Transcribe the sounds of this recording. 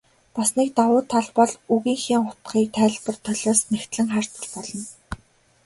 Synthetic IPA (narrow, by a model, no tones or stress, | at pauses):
pasniːk̚t̪awʊːt̪ʰːaɮpɔɮuɣiːŋxʲiːŋχʊt̪ɢiːk̚t̪ʰæːɮpə̆rt̪ʰœɮʲɔːsnæxt̪ɮɘ̆ŋχar̥t̪ə̆rpɔɮɞ̆n